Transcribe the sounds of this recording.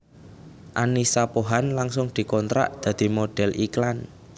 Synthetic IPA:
ʔanisapoɦanlaŋsʊŋd̪̥i̤kɔnt̪ɾa̰ʔd̪̥ä̤d̪̥i̤moɖ̥ɛ̤lʔiklan

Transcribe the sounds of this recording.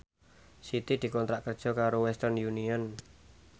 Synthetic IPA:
sit̪id̪̥i̤kɔnt̪ɾaʔkərd̥ʒ̥ɔ̤kaɾowɛst̪ərnjuniɔn

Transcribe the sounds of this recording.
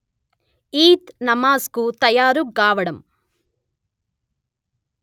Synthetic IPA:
iːt̪nɐmaːskut̪ɐjaːɾuɡaːʋɐɽɐm

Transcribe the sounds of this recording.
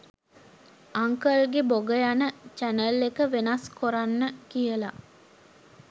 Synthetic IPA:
aŋkəlɡeboɡəjanət͡ʃænəlːekəʋenaskoɾanːəkijəla

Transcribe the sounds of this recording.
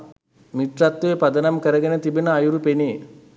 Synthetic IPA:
miʈ̪rat̪ːepɐd̪ɐnɐmkəɾəɡenət̪ibenəajuɾupene

